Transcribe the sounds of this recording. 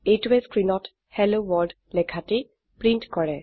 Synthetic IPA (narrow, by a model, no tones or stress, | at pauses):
ejtuɛskɹinɔt | hɛlowɔɹd | lɛkʰati | pɹintkɔɹɛ